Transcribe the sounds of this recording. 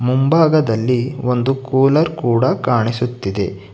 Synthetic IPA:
mumbaːɡɐd̪ɐlːio̞nd̪ukuːlɐɾkuːɽɐkaːɳisut̪ːid̪e̞̰

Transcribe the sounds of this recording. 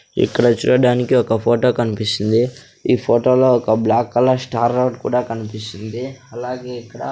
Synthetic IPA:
ḭkːɐɽɐt͡ʃṵːɽɐɽaːnikiɔkɐpʰoːʈo̞ːkɐnipist̪ind̪i | iːpʰoːʈoːlo̞ːɔkɐblaːkːɐlːɐsʈaːɾɐwʈkṵːɽaːkɐnipisind̪iɐlaːɡe̞ːikːɐɽɐ

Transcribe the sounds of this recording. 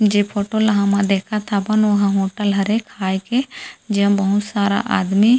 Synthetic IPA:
d͡ʒeːpʰoːʈolɐɦãmãd̪eːkʰat̪ʰabɐnoɦãɦoːʈəlɦɐɾekʰːaːjked͡ʒeɦɐ̃bɐɦʊt̪saːɾa̰ʔa̰ːd̪mi

